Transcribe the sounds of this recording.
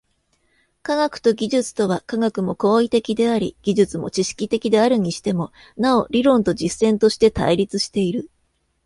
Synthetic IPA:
kaɡakɯ̟̥t̪o̞ɡʲiʑɨt͡sɨ̥t̪o̞β̞akaɡakɯ̟mo̞ko̞ːit̪e̞kʲid̪e̞aɾʲḭɡ̥ʲiʑɨt͡sɨmo̞̰t͡ɕiɕi̥kʲit̪e̞kʲid̪e̞aɾɯ̟ɲ̟iɕi̥t̪e̞mo̞ | nao̞ɾʲiɾõ̞nt̪o̞d͡ʑisːẽ̞nt̪o̞ɕi̥t̪e̞t̪a̰iɾʲit͡sɨɕi̥t̪e̞iɾɯ̟

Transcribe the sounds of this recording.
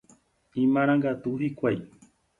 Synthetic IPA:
ĩmãɾ̃ãŋɡat̪uhikʷaj

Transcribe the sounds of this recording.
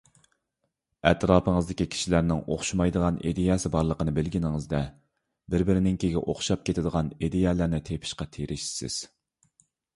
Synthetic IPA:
ɛt̪ʰɾɑːpʰəŋəzd̪ɪkʲikʲʰi̥ʃilæɾnɪŋo̰χʃumɑjd̪əʁɑnḛd̪ejɛsɪbɑɾlˠəqənɨbɪlɡʲinɪŋɨzd̪ɛ | bɪɾbɪɾɪnɪŋkʲʰeɡʲɛ̰ʔoχʃɑp̚kʲʰet̪ʰɪd̪əʁɑned̪ejɛːlæɾnɪt̪ʰepʰɪ̥ʃqɑt̪ʰeɾʔɪʃi̥sɪ̰z̥

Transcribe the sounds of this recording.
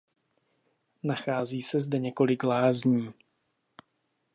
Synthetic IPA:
naxaːziːsɛzdɛɲɛko̞lɪklaːzɲiː

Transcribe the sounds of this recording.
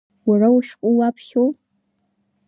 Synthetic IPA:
warawʃᶣkʷʼuwapʰχʲow

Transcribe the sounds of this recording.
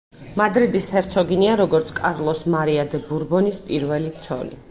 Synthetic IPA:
mad̪ɾid̪ishɛɾt̪sʰɔɡiniaɾɔɡɔɾt̪sʰkʼaɾlˠɔsmaɾiad̪ɛbuɾbɔnispʼiɾvɛlit̪sʰɔ̰nḭ

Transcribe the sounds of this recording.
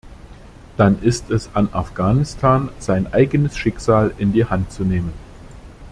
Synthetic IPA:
d̥anʔɪstɛsanʔafɡ̥aːnɪstʰaːnz̥aɪnʔaɪɡənəsʃɪkz̥aːlɪndiːhantt͡suneːmən

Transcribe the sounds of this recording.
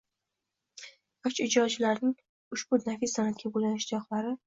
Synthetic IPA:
ɒt͡ʃɪd͡ʒɒt͡ʃɪlaɾnɪŋ | ʊʃbʊd̪nafisanat̪̚kʲabulanɪʃd̪ɒχlaɾɪ

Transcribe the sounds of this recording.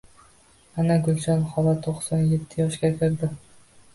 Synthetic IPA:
anaɡʊlˠt͡ʃɒnχɒlat̪ʰoχsɒnjet̪ʰːɪjɒʃɡʲakʲʰɪɾd̪ɪ

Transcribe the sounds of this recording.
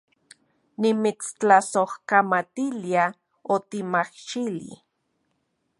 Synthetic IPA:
nimit͡st͡ɬasohkamat̪ilia | ot̪imahʃilḭ

